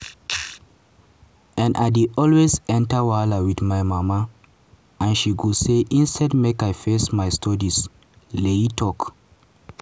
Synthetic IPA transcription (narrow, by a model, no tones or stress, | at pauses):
ãnʔa̰ɪdeʔɔlwezɛ̃ntəwalawiθmajmama | ãnʃiɡuseʔĩnstʰɛd̚mekajfesmajstʰɔdis | leitʰɔk